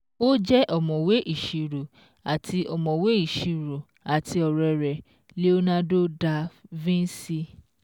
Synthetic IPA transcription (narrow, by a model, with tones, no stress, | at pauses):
o˦d͡ʒɛ˦ʔɔ˨mɔ̃˨we˦ʔi˦˨ʃi˨ɾo˨ | a˨tʰi˧ɔ˨mɔ̃˨we˦i˦˨ʃi˨˧ɾo˨ | a˨ti˧ɔ˨ɾɛ˧ɾɛ˨ | le˦o˦nã˦do˦da˧vĩ˦n̩˦si˧